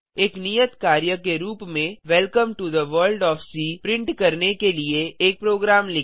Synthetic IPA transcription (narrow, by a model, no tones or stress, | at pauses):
eːknijət̪kaːɾjəkeɾuːpmẽʋɛlkəmʈud̪əʋəːɾlɖɔːfsiːpɾɪ̃ɳʈkɐɾnekelieeːk̚pɾoːɡɾaːmlɪ